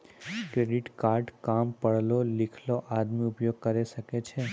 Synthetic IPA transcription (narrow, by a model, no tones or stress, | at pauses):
kɾeɖiʈkaɾɖkampəɭlolikʰloʔad̪miupjoɡ̚kəɾeʃəket͡ʃʰe